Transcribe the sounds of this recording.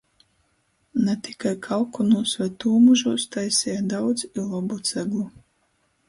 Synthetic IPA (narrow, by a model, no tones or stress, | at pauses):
nɛt̪i̥kajkʰalˠkɔnuːsvajt̪uːmuʒuːst̪ajsʲɛjad̪awd̪zilˠɔbut̪sɛɡlˠu